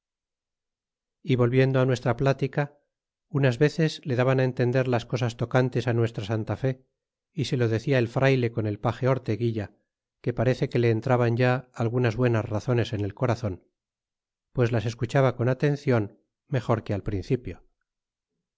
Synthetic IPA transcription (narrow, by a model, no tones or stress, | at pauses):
iβo̞lβje̞nd̪oanwe̞st̪ɾaplat̪ika | unazβe̞θe̞zle̞ðaβanaent̪e̞nd̪e̞ɾlasko̞sast̪o̞kant̪e̞sanwe̞st̪ɾasant̪afe̞ | ise̞lo̞ðe̞θiaelfɾʔajle̞ko̞ne̞lpaxe̞o̞ɾt̪e̞ɣiʎa | ke̞paɾe̞θe̞ke̞le̞ːnt̪ɾaβanɟ͡ʝaːlɣunazβwe̞nazraθo̞ne̞sene̞lko̞ɾaθo̞n | pwe̞zlase̞skut͡ʃaβako̞nat̪e̞n̟θjo̞n | me̞xo̞ɾke̞alpɾin̟θipjo̞